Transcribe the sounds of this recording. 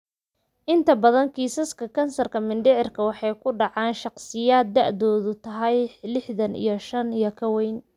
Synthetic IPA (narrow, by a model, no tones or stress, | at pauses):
ʔɪnt̪ʰɐbɐðɐŋkʰiːsɐskʰɐkʰɐnsɐrkʰɐmɪnɖɪʕɪrkʰɐwɑħɑjkʰʊɖɑʕɑːnʃɑqsɪjaːd̪̚ːɑʕʔðɔːðʊt̪ʰɐɦɛjlɪħðɐnḭjɞʃɐnijɔkʰɐwɛjn